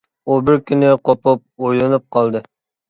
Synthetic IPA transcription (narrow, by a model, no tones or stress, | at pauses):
ubɪɾkʲynɪqopʊp̚ojlɨnɨp̚qʰɑlˠd̪ɨ